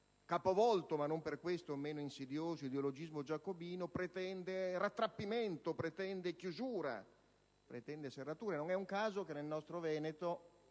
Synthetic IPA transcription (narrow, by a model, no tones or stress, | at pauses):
kapovɔlt̪omanːomperkwest̪omeːnoinsid̪joːzoid̪eolod͡ʒizmod͡ʒakːobiːnopɾet̪ɛnd̪eɾat̪ːɾapːiment̪opɾet̪ɛnd̪ekjuzuːɾa̰ | pɾet̪ɛnd̪eserːat̪uːɾenoŋɛuŋkaːzokenːelnɔst̪ɾovɛːnet̪o